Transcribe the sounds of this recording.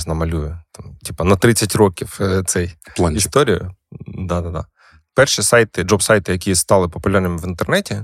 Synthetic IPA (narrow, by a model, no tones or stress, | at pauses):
znɐmɐlʲujʊt̪ɑmtʲipɐnɐt̪ɾɪt͡sʲːɐtʲrɔkʲiwt̪sɛjlˠanʲist̪ɔɾʲijʊ̰d̪ɑd̪ɑd̪ɑ̰ | pɛrʃisɑjt̪ɪd͡ʒɔpsɑjt̪ɪjɐkʲist̪ɑlˠɪpɔpʊlʲarnɪmɪʋint̪ernɛtʲi